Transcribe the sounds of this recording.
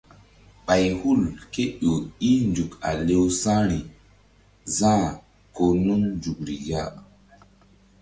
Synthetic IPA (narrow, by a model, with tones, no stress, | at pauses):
ɓa˨jhu˦˨lke˦ɗo˨i˦nd͡ʒu˨ka̰˨le˦wsã˦ɾi˨ | zã˦˨ | ko˨nu˦nnd͡ʒu˨kɾi˨ja˦ʔ